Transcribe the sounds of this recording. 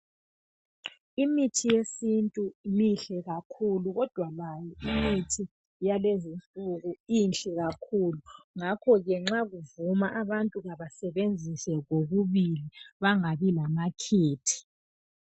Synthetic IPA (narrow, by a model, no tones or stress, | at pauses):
imitʰijesintʼumiɬɛɣakʰuluɣɔd̥ʱwalajɔimitʰi | jalezint͡ɬʼuɣuinɬʼɛɣakʰuːluŋakʰɔɣɛŋ͡ǁaɣuvumaʔaβantʼuɣaβasɛβend͡zʱisɛɣoɣuβiliβaŋaβilamakʰeːtʰi̥